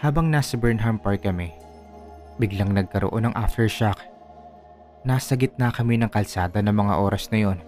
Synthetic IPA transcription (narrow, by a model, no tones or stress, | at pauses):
haːbɐŋnaːsɐbɛɹnɦɐmpɐɹt̪̚kɐmɛ | bɪɡlaŋnɐɡ̚kɐɾo̰ʔo̞nɐŋʔa̰ft̪ɛɹʃak | naːsɐɡɪt̪̚nɐkɐmɛnɐŋkɐlsaːd̪ɐnɐmɐŋa̰ʔo̞ːɾɐsnɐjo̞n